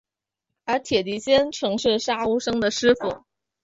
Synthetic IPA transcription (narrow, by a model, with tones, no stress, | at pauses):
ə˞˧˥t̪ʰjɛ˨˩t̪i˧˥ɕjɛ˥nʈ͡ʂʰɤ˧˥ŋʂɻ̩˥˩ʂa˥u˥ʂɤ˥ŋd̪ə˨ʂɻ̩˥fu˨˩